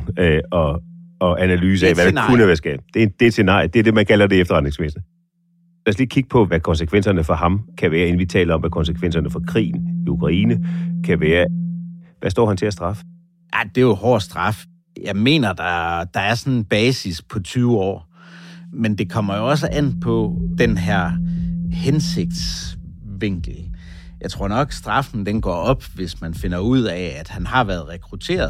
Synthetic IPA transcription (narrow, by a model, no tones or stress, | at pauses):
ɒ̽ɒ̽ʔænælyːs̬əæɛʋæd̥akʰunəʋæːɐsɡ̥ɛ̰ːb̥d̥e̝d̥e̝ed̥se̝nɑ̰̈ːɪd̥eæɐd̥e̝mænkʰælɐd̥e̝efd̥ɐʁd̥ne̝ŋsmesə | læɐsliːkʰiɡ̥̚pʰɒ̽ʋækʰɒ̽nsəkʰʋen̰sɐnəfɒ̽hɑ̈mkʰæʋæːɐe̝n̩ʋit͡sʰɛ̰ːlɐɒ̽mʋækʰɒ̽nsəkʰʋen̰sɐnəfɒ̽kʰʁḭːn̩iukʰʁɑ̈ḭːnəkʰæʋæːɐ | ʋæsd̥ɒ̰ːhænt͡sʰe̝læsd̥ʁɑ̈fə̥ | ʔæd̥e̝johɒ̰ːsd̥ʁɑ̈f | jɑ̈ɪme̝̰ːnɐd̥ɑd̥ɑ̈æɐsɒ̽nenb̥ɛːsispʰɒ̽t͡sʰyːʊɒ̰ː | mend̥e̝kʰɒ̽m̰ɐjo̝ɒ̽s̬əʔæn̰pʰɒ̽d̥enɦæɐ̰hense̝ɡ̥̚d̥sʋe̝ŋ̰ɡ̥l̩ | jɑ̈ɪt͡sʰʁo̝̰nɒ̽ɡ̥sd̥ʁɑ̈fn̩d̥enɡ̥ɒ̰ːɒ̽b̥ʋe̝smænfe̝nɐuð̞̰ˠɛæd̥hænhɑ̈ʋæɐð̞̩ˠʁɛkʰʁut͡sʰe̝̰ːɐðˠ